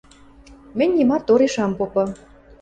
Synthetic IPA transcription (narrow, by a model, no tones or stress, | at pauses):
mɘ̆nʲːimɑt̪oɾiʃɑmpopɤ̆